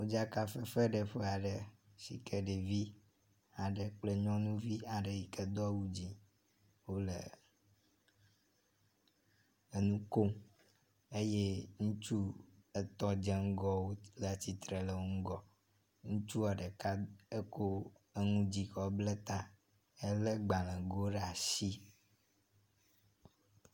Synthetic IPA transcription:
wo˦d͡ʒa˦ka˦fɛ˦fɛ˦ɖə˨ɸɛ˦a˨ɖə˨si˨kʰɛ˨ɖe˨vi˦ | a˨ɖɛ˨k͡plɛ˦ɲɔ̃˦nũ˦vi˦a˨ɖe˨ji˨kɛ˦d̪ɔ˦wu˦d͡ʑi˨ | wo˦lḛ˨ | e˨nũ˦ko˦m | e˦je˦ŋũ˦t͡ʃu˦e˨t̪ɔ˦d͡ʒɛ˦ŋ̩˦ɡɔ˦wo˦lə˨t͡ɕi˨t̪ɾe˨lə˨o˦ŋ̩˦ɡɔ˨ | ŋũ˦t͡ʃu˦a˨ɖə˨ka˦e˦ko˦ | e˦ŋũ˦d͡ʑi˨kɔ˨˦blɛ˦t̪ã˦ | e˦le˦ɡ͡ba˨lɛ̃˨ɡo˦ɖa˨si˦

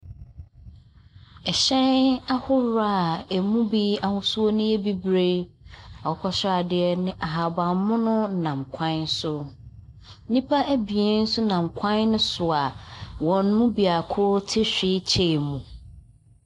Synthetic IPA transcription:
ɛ˨ɕɛ̃˦na˦hʊ˦ɾa˦˨æ˨mũ˦bi˦a˨hʊ̃˦su˦o˦nʊ̃˦e˦bi˦bɾe˦ | a˨ʊ˦kʰɔ˦ɕa˨dɪ˨ɛ˦nɪ̃˦ʔa˨ɦa˨bã˨m˦mʊ̃˦nʊ̃˦˨nã˨mkʷʰã˦n˦sʊ˦ | nĩ˦pʰa˦ʔæ˦bi˨e˦n̩˦sʊ˦nã˨m˨kʷʰã˦nːʊ̃˦sʊ˨a˨wɔ̃˨n˦mũ˦bi˨a˨kʰʊ˦ɾtʰɪ˦ɕᶣɪ˦t͡ɕʰe˦˨mũ˨

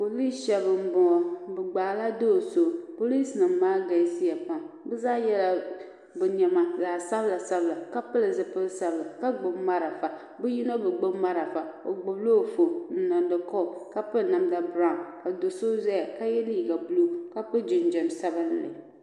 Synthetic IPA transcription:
po˨li˦sʃɛ˨βɨ˨m˨bʊ˨ŋɔ˨bɨ˨ɡ͡baː˨la˦do˦˨so˦˨po˦li˦snɨ˨mːaː˦ɡa˨˦si˦ja˨pa˨m | bɛ˦zaː˦jɛ˦la˦ | bʊ˨ɲɛ˨ma˦laː˨sa˦bla˨sa˦bla˨ka˦pɨ˦lɨ˨zɨ˨pɨ˦lsa˦bla˨ka˦ɡ͡bʊ˦mma˦ɾa˨fa˨ | bʊ˦ji˦nɔ˦bɨ˨ɡ͡bʊ˦ma˦ɾa˨fa˨o˨ɡ͡bʊ˨blo˦˨fo˨n̩˨˦na˨ndɨ˨kɔ˦˨ka˦pɨ˦na˨mda˦bɾa˦˨ka˨do˨so˦zɛ˦ja˨ka˦jɛ˦liː˦˨ɡa˨bu˦lu˦ka˦pɨ˦d͡ʒɪ˨n˨d͡ʒɛ˨msa˦bɨ˦n˨lɪ̰˨

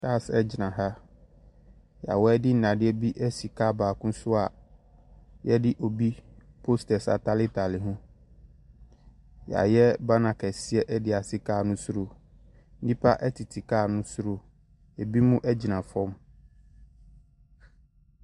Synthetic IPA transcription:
tʰa˦˨sɛ˦d͡ʑɪ˨nã˨ɦa˦ | ja̰˨wɔ˦ɛ˦dɪ˦n̩˦nã˨dɪ˦ɛ˦bi˦ʔɛ˦si˨kʰa˦˨baː˨kʊ̃˦sʊ˦a˨ | jɛ˦dɪ˦ʔo˨bi˦ | pʰo˦stɛ˨sa̰˨tʰa˦lɪ˦tʰa˨lɪ˨ɦʊ̃˦ | ja̰˨jɛ˦ba˦nã˨kʰɛ˨sɪ˦ɛ˦ʔɛ˦dɪ˨a˨sɪ˦kʰaː˦˨nʊ̃˦sʊ˦ɾo˨ | n̩˦dĩ˦pʰa˦ʔɛ˦tʰi˨tʰi˨kaː˦˨nʊ̃˦sʊ˦ɾo˦ | jɛ˨bi˦mũ˦ʔɛ˦d͡ʑɪ˨nã˨fɔ̃˦m

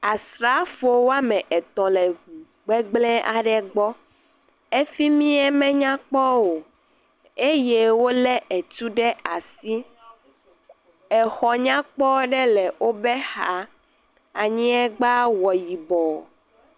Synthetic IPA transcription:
a˨sɾa˦fo˦wo˦a˦mɛ̃˨ʔɛ˨t̪ɔ̃˨lɛ˨u˨ | ɡ͡bɛ˦ɡ͡blɛ̃˦ʔa˨ɖɛ˨ɡ͡bɔ˦ | e˦fi˦mĩ˦ɛ˦mɛ̃˦ɲã˦k͡pɔ˦wo˨ | e˦je˦wo˦lɛ˦ʔe˨t̪u˦ɖɛ˦a˨si˦ | ɛ˨xɔ˨ɲã˦k͡pɔ˦ɖɛ˦lɛ˨wo˦bɛ˦xa˦ | a˨ɲĩ˦ɛ˦ɡ͡ba˦wɔ˨ji˨bɔ˨

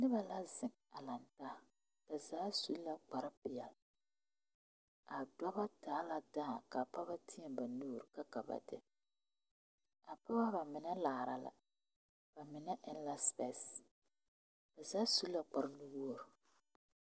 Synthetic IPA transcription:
nɪ˦βa˨la˦zɪ˦ŋ | a˨la˨nta˦ | b̥a˨zaː˨˦su˨˦lla˦k͡pa˨ɾa˦pɪ˨a˨l | a˨dɔ˦ba˦taː˨˦la˦daː˦˨ka˨pa˦βa˦tʰɪ˦ɛ˨ba˨nuː˦˨ɾɪ˨ka˦ka˨ba̰˨dɪ̰˦ | a˨pa˦ba˦ba˨mɪ˨nɛ˦la˨ɾa̰˨la̰˨ | b̥a˨mɪ˨nɛ˦ʔɪ˦n˦la˦spɛ˦s | b̥a˨zaː˦su˦lla˦k͡pa˨ɾa˦nu˦bu˦o˦˨ɾ

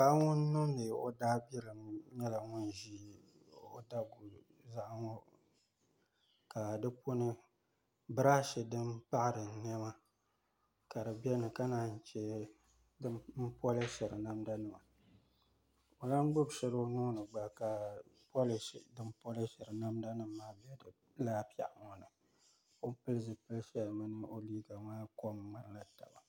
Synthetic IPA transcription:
a˦ŋʊ˦nː˦ʊ˦ɨ˨ʔo̰˦daː˦bi˦ɾɨ˨mɲɛ˦la˨ŋʊ˦n˨ʒi˦ | o̰˦da˦ɡu˨ | za˦ʔŋɔ˦ | ka˨dɨ˦pʰo˦nɨ˦ | bɨ˦ɾa˦ʃɪ˨dɨ˦mpa˦ʔɾɨ˨n˦ɛ˦ma˦ | ka˨dɨ˨bɛ˦nɨ˨ka˦naː˨n̩˨t͡ʃɛ˦ | dɨ˦m̩˦pɔ˦lɨ˦ʃɛ˨ɾɨ˨na˦mda˦nɨ˨ma̰˨ | o˨la˦n˦ɡ͡bʊ˦bʃɛ˨lo˦noː˦nɨ˨ɡ͡ba˨ka˨pɔ˦lɪ˨ʃḭ˨dɨ˦mpɔ˦lɨ˦ʃɛ˨ɾɨ˨na˦mda˦nɨ˦mː˦aː˦bɛ˦dɨ˨ | laː˦pa̰˨ʔŋɔ˨nɨ˨ | o˦pɨ˦lɨ˦zɨ˨pɨ˦lʃɛ˦lɨ˨mɨ˦nɨ˦ʔo˦liː˦ɡa˨maː˦ko˦m˦ŋ͡ma˨n˦la˦ta̰˨ba˨

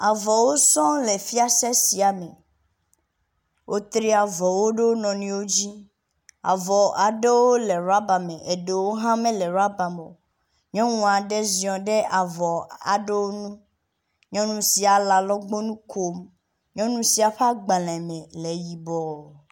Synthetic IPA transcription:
a˨vɔ˨wo˦sɔ̃˦le˨fi˦a˦sɛ˦si˨a˨me˨ | wʔo˦t̪ɾi˦a˨vɔ˨wo˦ɖe˦wo˦nɔ̃˨nĩ˨˦wo˦d͡ʑi˦ | a̰˨vɔ˨a˨ɖe˦wo˦le˨ɾa˦ba˨mẽ˨ʔe˨ɖe˨wo˦ɦã˦mẽ˦lɛ˨ɾa˦ba˨mo̰˨ | ɲɔ̃˦ŋũ˨a˨ɖe˦zĩ˨ɔ̃˨ɖe˦a˨vɔ˨a̰˨ɖe˦wo˦nũ˦ | ɲɔ̃˦nũ˦si˨a˨la˨lɔ˦ɡ͡bo˦nũ˦kʰo˦m | ɲɔ̃˦nũ˦si˨a˨ɸa˦ɡ͡ba˨lɛ̃˨mẽ˨le˨ji˨bɔ˨

